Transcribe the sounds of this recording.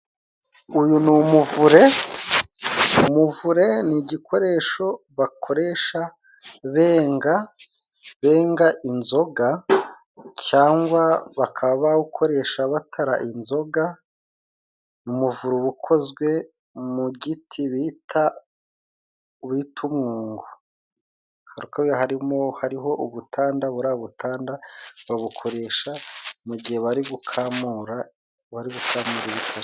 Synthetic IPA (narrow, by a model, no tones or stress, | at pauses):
ujunumuvuɾe̞ | umuvuɾe̞niɟikʰo̞ɾe̞ːʃo̞ | βakʰo̞ɾe̞ːʃa | βeːŋɡa | βe̞ːŋɡaʔinzo̞ɡa | caːŋɡwaβakʰaβaukʰo̞ɾe̞ːʃaβatʰaɾaʔinzo̞ɡa | numuvuɾuβukʰo̞zɡwe̞ | muɟitʰiβitʰa | βitʰumŋoːŋɡo̥ | haɾukaβjaɦaɾimo̞haɾiɦo̞ʔuβutʰaːndaβuɾaːβutʰaːndaβaβukʰo̞ɾe̞ːʃamuɟihe̞βaɾiɡukʰamuɾa | βaɾiɡukʰamuɾiβitʰaɾ